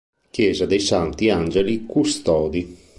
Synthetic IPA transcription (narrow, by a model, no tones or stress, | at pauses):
kjɛːzad̪ejsant̪iand͡ʒelikust̪ɔːd̪i